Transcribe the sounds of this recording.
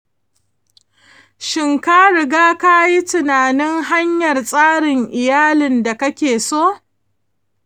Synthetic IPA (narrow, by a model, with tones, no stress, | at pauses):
ʃɪ˨ŋka˦ɾɪ˨ɡaː˦ka˦ji˦tɪ˨naː˨nɪ˦ŋɦa˦ɲjɐ˨rsʼaː˦ɽɪ˨ŋʔɪ˨jaː˦lɪ˨nda˨kɐ˦kʲeː˨soː˦